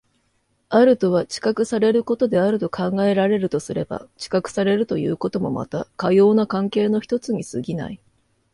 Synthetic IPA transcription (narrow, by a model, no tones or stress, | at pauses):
aɾɯ̟t̪o̞β̞at͡ɕi̥kakɯ̟saɾe̞ɾɯ̟ko̞t̪o̞d̪e̞aɾɯ̟t̪o̞kʰãŋɡae̞ɾaɾe̞ɾɯ̟t̪o̞sɨɾe̞ba̰t͡ɕi̥kakɯ̟̥saɾe̞ɾɯ̟t̪o̞jɯ̟̰ːko̞t̪o̞mo̞̰ma̰t̪akajo̞ːnakãŋke̞ːno̞çi̥t̪o̞t͡sɨɲ̟isɨɡʲina̰i